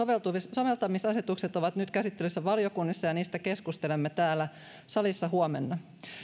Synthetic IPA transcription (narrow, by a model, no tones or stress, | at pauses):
oʋelt̪uʋsoʋelt̪ɑmisɑset̪ukset̪oʋɑt̪nyt̪kæsit̪ːelysːæʋɑljo̞kunːisːɑjɑniːst̪æke̞skust̪elemːet̪æːlːæ | sɑlisːɑɦuomenːɑ